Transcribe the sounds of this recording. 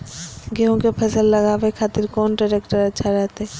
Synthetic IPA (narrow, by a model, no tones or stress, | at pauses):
ɡeɦõkepʰɐsəlːɐɡaːʋekʰaːt̪iɾkɔːnɖaɾekʈəɾɐt͡ʃʰaɾat̪e